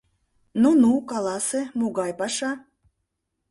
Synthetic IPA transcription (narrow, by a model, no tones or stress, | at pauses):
nunukɑlˠɑsemuɣɑjpɑʃɑ